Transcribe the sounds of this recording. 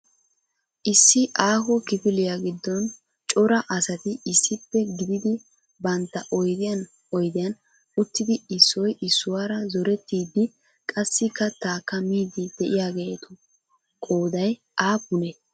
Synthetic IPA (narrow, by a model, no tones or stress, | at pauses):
ʔɪsːɪʔaːhɔkɪfɪlɪjaɡɪd̪ːɔn | t͡ʃʼɔɾɐʔɐsɐt̪ɪɪsːɪpːɛɡɪd̪ɪd̪ɪ | bɐnt̪ːɐʔɔjd̪ɪjɐn | ɔjd̪ɪjɐn | ʊt̪ːɪd̪ɪɪsːɔjʔɪsːʊwaːɾɐzɔɾɛt̪ːiːd̪ːɪ | kʼɐsːɪkːɐt̪aːkːɐmiːd̪ɪd̪ɛʔɪjaːɡe̞ːt̪ʊ | kʼo̞ːd̪ɐj | ʔaːbʊnɛ